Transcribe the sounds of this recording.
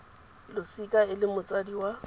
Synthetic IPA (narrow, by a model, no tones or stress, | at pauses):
lʊsikʼaɪlɪmʊt͡sʼadiwa